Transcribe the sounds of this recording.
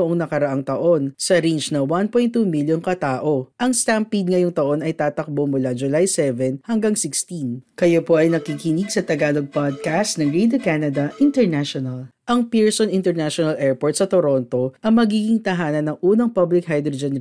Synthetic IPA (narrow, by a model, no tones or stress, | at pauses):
ʊʔoŋnɐkɐɾɐʔaŋt̪ɐʔo̞nsɐɾind͡ʒnɐwanpojnt̪ːuːmiljonkɐt̪aːʔo̞ʔɐŋst̪ampid̪̚ŋɐjoŋt̪ɐʔo̞nɐjt̪aːt̪ɐk̚bomʊlad͡ʒʊlajsɛvɛnhɐŋɡaŋsɪkst̪inkɐjopo̞ʔɐjnɐkikɪnɪɡsɐt̪ɐɡaːloɡ̚pad̪̚kast̪nɐŋɹed̪okanɐd̪ɐʔɪnt̪ɛɹnaʃonɐlʔɐŋpiɹsonɪnt̪ɛɹnaʃonɐlʔɛɹpoɹt̪̚sɐt̪oɾont̪o̞ʔɐŋmɐɡiːɡɪŋt̪ɐɦaːnɐnːɐŋʔuːnɐŋpablɪk̚ɦajd̪ɾod͡ʒɛn